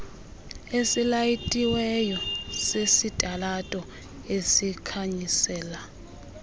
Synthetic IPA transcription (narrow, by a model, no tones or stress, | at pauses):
esilajitʼiwɛjɔsesitʼalatʼɔ | esikʰaɲisɛːla